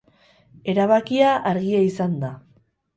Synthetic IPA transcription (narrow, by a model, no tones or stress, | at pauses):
e̞ɾaβakiaʔaɾɣiaisand̪a